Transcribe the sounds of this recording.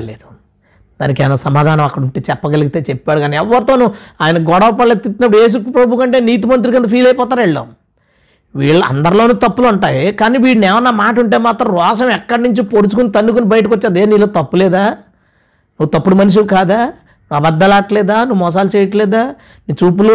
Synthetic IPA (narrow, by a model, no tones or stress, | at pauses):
leːd̪u̥ | d̪a̰ːnikɐjnɐsɐmaːd̪ʱaːnɐmɐkːɐɽuɳʈeːt͡ʃɛpːɐɡɐliɡit̪e̞ːt͡ʃepːaːɽukaːniɛʋːɐɾut̪o̞ːnuuaːjɐnɐɡɔɽɐʋɐpɐɭːɐt̪it̪ːinɐpːuɽueːs̬upɾɐbʱukɐɳʈe̞ːniːt̪̬imɐnt̪̬ɾikɐnd̪ɐpʰiːlɐjpɔːt̪aːɾɛɭːo̰m | ʋḭːɭːɐɐ̰nd̪ɐɾulo̞ːnut̪ɐpːuluɳʈaːjkaːniːʋiːɽnɛːʋɐnːɐmaːʈɐuɳʈe̞ːmaːt̪ɾɐ̃mɾɔːʂɐmɛkːɐɽɐnuɲt͡ʃipoɽut͡ʃukunit̪ɐnːuk̬unibɐjʈ̬ikɔt͡ʃːaːd̪eːniːloːt̪ɐpːulɛːd̪aː | nuːut̪ɐpːuɽumɐniʃ̬ikaːd̪aː | ɐbɐd̪ːɐlaːʈlɛːd̪aːnuʋumɔːs̬aːlut͡ʃɛːjɐʈlɛːd̪aː | niːt͡ʃuːp̬ulu